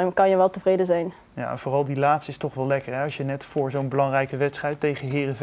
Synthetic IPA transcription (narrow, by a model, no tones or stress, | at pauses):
kɑnjəʋɛlˠtəvrejdəzɛjn | ja̰ːvʊːrɑlˠdilaːtstɪstɔχʋɛlˠlɛkəɹɦɛɑʃjənɛtfʊːɹzownbəlɑŋrɛjkəʋɛtsrɛjtːejχəɦɪːrəv